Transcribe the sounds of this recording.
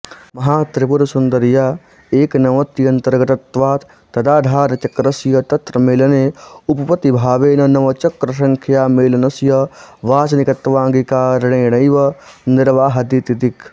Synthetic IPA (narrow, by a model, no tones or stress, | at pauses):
mɐɦaːt̪ɾɪpuɾsund̪ɐɾjaː | eːknɐʋɐt̪ijɐnt̪ɐɾɡɐt̪ɐt̪ʋaːt̪ | t̪ɐd̪aːd̪ʱaːɾɐt͡ʃɐkɾɐsjɐt̪ɐt̪ɾɐmeːlɐneːupɐpɐt̪ːibʱaːʋeːnɐnɐʋɐt͡ʃɐkɾɐʃ̬ɐ̃ŋkʰjaːmeːlɐnɐsjɐʋaːsɐnɪkɐt̪ʋãːŋɡikaːɾɐɳeːɽ̃ɐjʋɐnɪɾʋaːɦɐd̪it̪id̪ik